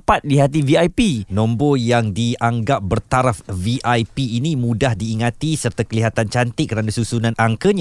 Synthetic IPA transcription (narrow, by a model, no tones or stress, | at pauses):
pat̪̚diɦat̪̬iviajpinɔ̃mbojaŋdiaŋɡap̚bərt̪aɾafviʔajpiːnĩmũdahdiːŋat̪isərt̪akəliɦat̪ant͡ʃant̪ɪkːəɾanasusunãnaŋkəɲa